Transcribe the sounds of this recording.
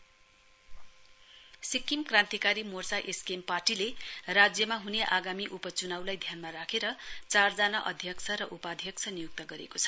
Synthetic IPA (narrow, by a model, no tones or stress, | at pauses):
sikːimkrãnt̪ikaɾimort͡saʔeskemparʈilerad͡zjʌmaɦuneʔaɡamiʔupʌt͡sunawlajd̪ʱjanmaɾakʰeɾʌt͡sard͡zanaʔʌd̪ʱjʌksʰʌɾʌʔupad̪ʱjʌksʰʌnijuk̚t̪ʌɡʌɾḛkot͡sʰʌ̥